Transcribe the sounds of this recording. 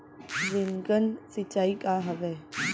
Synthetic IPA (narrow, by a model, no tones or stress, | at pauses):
zɪŋɡənsɪt͡ʃaːikaɦəʋeː